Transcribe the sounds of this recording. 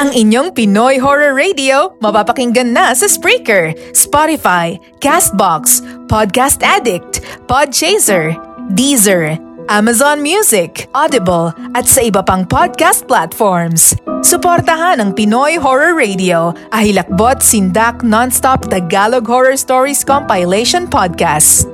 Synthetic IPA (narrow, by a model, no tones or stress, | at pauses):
ʔɐŋɪɲoŋpɪnojɦoɹɐɹːɛjd̪ɪomɐbapɐkɪŋɡɐnːɐsɐspɹikɛɹspɔɾɪfaj | kast̪̚bakspod̪̚kast̪ʔɛd̪ɪk̚t̪pod̪̚t͡ʃɛjsɛɹd̪izɛɹʔamɐzɔnmjusɪkʔɔd̪ɪbɐlʔɐt̪sɐʔɪbɐpaŋpod̪̚kast̪̚plat̪foɹmssʊpoɾt̪ɐɦanɐŋpɪnojɦoɹɐɹɹejd̪ɪoʔɐhɪlɐk̚bot̪̚sɪnd̪ak̚nɔnst̪ɔp̚d̪ɐɡaloɡhɔɹɔɹst̪oɹiskɔmpajlɛʃɔnpɔd̪̚kast̪̚